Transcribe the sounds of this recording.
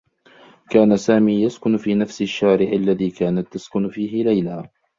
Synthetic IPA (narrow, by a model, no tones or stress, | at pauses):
kaːnasaːmiːjaskʊnfiːnafsɪʃːaːɾɪʕalːaðiːkaːnat̪ːaskʊnfiːɦɪlajlaː